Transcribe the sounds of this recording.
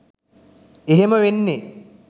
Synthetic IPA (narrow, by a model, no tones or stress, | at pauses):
eɦeməʋenːe